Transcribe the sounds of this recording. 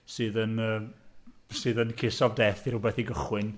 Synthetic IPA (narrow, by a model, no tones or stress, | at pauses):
sɨːðənəː | sɨːðənkʰɪsɔvdɛːθiɾubɛθiɡəχwɪn